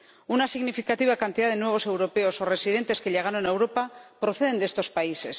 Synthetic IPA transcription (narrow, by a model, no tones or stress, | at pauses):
unasiɣnifikat̪iβakant̪iðaðe̞nweβ̞o̞se̞wɾo̞pe̞o̞so̞re̞siðe̞nt̪e̞ske̞ʎeɣanonewɾo̞papɾo̞θe̞ð̞e̞nd̪eest̪o̞spaise̞s